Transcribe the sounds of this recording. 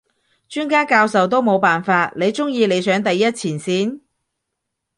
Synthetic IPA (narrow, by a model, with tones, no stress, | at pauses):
t͡ʃyː˥nkaː˥kaː˧wsɐ˨wt̪̬o˥wmo˨˧wpaː˨nfaː˧t̚le˨˧jt͡sʊ˥ŋjiː˧le˨˧jsœː˨˥ŋt̪ɐ˨jːɐ˥t̚t͡sʰiː˨˩nsiː˨˥n